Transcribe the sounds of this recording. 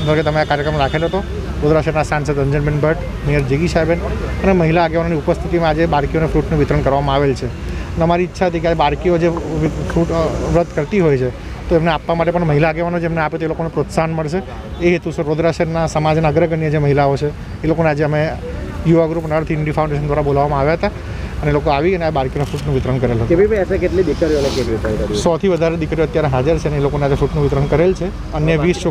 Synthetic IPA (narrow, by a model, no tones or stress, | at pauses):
nd̪əɾket̪əmeakaɾjəkɾəmɾakʰeloɦət̪o | ɾod̪ɾaʃeɾnasansəd̪əɲd͡ʒənbeɳbʱəʈ | nejəɾd͡ʒeɡiʃabenəneməɦilaːɡeʋanoniupəst̪ʰit̪imãːd͡ʒebaɾkijonefɾuʈnũʋɪt̪ɾəɳkəɾʋamãaʋelt͡ʃʰeənəmaɾiːtːʃʰaɦət̪ik̬eabaɾkiod͡ʒeʋfɾuʈʋɾəd̪ʱkəɾt̪iɦojt͡ʃʰe | t̪oemneapʋamaʈepəɳməɦilaːɡeʋanod͡ʒemneapet̪oelokonepɾot̪sanməɭʃe | eɦet̪usʰeɾod̪ɾaʃeɾnasəmad͡ʒnaəɡɾəɡənijəd͡ʒeməɦilaot͡ʃʰeː | lokonead͡ʒeəmejuʋaɡɾupnəɾt̪ʰɪɳɖifʰaũɳɖeʃənd̪ʋaɾabolaʋamãaʋjaɦət̪a | ənelokoaʋiəneabaɾkijonafuʈnũʋɪt̪ɾənkəɾelɦət̪ːeʋibəsekeʈlid̪ikɾijolekekʋisaikəɾsɔt̪ʰiʋəd̪ʱaɾed̪ikɾijoət̪jaɾeɦad͡ʒəɾt͡ʃʰeneelokonead͡ʒefuʈnũʋɪt̪ɾənkəɾelt͡ʃʰe | ənjəʋist͡ʃo